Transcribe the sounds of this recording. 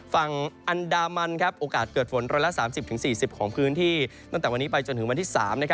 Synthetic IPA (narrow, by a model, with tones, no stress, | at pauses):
fa˨˩ŋʔa˧ndaː˧ma˧nkʰa˦˥p̚ʔoː˧kaː˨˩t̪̚kɤː˨˩t̪̚fʰo˩˦nɾɔː˧jla˦˥saː˩˦msi˨˩p̚t̪ʰɯ˩˦siː˨˩si˨˩p̚kʰɔː˩˦ŋpʰɯː˦˥nt̪ʰiː˥˩t̪ɔ˥˩ŋt̪ɛː˨˩wa˧niː˦˥pa˧jt͡ɕo˧nt̪ʰɯ˩˦ŋwa˧nt̪ʰiː˥˩sa̰ː˩˦mna˦˥kʰa˦